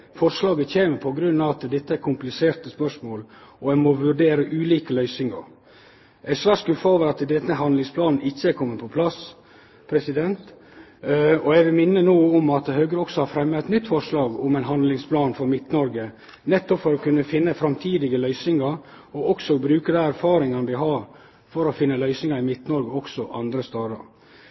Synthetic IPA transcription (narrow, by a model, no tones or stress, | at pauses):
fɔɾʂlɑːɡəçeːməpʰɔɡɾʉnːɑʋɑt̪d̪ɛt̪ːəæɾkʰʊmplɪseːɾt̪əspœʂmoːlɔɛmoʋʉɖeːɾəʔʉːliːkəlœʏsɪŋɑ̰ɾ | ʔæɪsʋæʂkʉfoːʋəɾɑt̪d̪ɛt̪ːəɦɑnlɪŋspʰlɑːnn̩ɪçːəɛɾkʰɔmːəpʰɔpʰlɑs | pʰɾɛsɪd̪ɛnt̪ | ɔɛʋɪlmɪnːənoːɔmɑt̪høːɡəɾəɔksɔhɑɾfɾɛmːəɛt̪nʏt̪ːfɔɾʂlɑːɡʊmæɛɪnɦɑnd̪lɪŋspʰlɑːnfɔɾmɪt̪nɔɾɡə | nɛt̪ːɔpfɔɾɔkʰʉnːəfɪnːəfɾɑmt̪ʰiːd̪ɪɡəlœʏsɪŋɑɾ | ɔɔksɔbɾʉːkəd̪ɛæɾfɑːɾɪŋɑnəʋɪɦɑɾ | fɔɾɔfɪnːəlœʏsnɪŋɑɾɪmɪt̪nɔɾɡəɔksɔʔɑnd̪ɾəst̪ɑːd̪ɑ̰ɾ